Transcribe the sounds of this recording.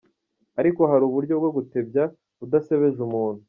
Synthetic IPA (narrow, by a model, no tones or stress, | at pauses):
aɾiko̞ɦaɾuːβuɾɟo̞bɡe̞ɡute̞bja | udase̞βe̞ʒumuːnu